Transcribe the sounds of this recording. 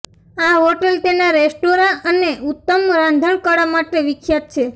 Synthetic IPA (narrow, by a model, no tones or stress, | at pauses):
aɦoʈəlt̪enaɾesʈoɾaʔəneut̪ːəmɾãnd̪ʱəɳkəɽamaʈeʋɪkʰjat̪̚t͡ʃʰe